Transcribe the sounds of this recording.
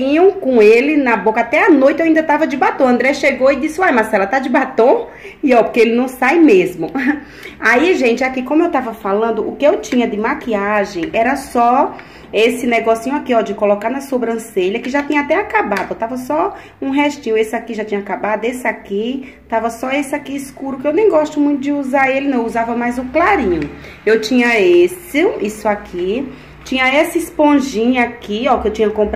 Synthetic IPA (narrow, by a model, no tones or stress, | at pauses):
ĩɲõkõelɪnɐbokɐat̪ɛanojt̪ɪewĩd̪ɐt̪avɐd͡ʒɪbat̪õɐ̃nd̪ɾɛʃeɡoɪd͡ʒisɪajmasɛlɐt̪ad͡ʒɪbat̪õw̃ | iɔpokeelɪnɐ̃w̃sajmezmʊ | aiʒẽnt͡ʃɪakikõmʊewt̪avɐfalɐ̃nd̪ʊʊkɪewt͡ʃĩɲɐd̪ɪmakiaʒẽj̃ɛɾɐsɔ | esɪnɛɡɔsĩɲʊakiɔd͡ʒɪkolokaɾnɐsobɾɐ̃seʎɐkɪʒat̪ĩɲɐat̪ɛakabad̪ʊet̪avɐsɔ | ũɦɛʃt͡ʃĩɲʊ̃esɪakiʒat̪ĩɲɐakabad̪ʊesɪaki | t̪avɐsɔesɪakiiskuɾʊkɪewnẽj̃ɡɔʃt̪ʊmũj̃t̪ʊd͡ʒɪuzaɾelɪnɐ̃w̃uzavɐmajzʊklaɾĩɲʊ | ewt͡ʃĩɲɐesɪ̃isʊakʰi | t͡ʃĩɲɐesɪspõʒĩɲʊakiɔkɪewt͡ʃĩɲɐkõpɾ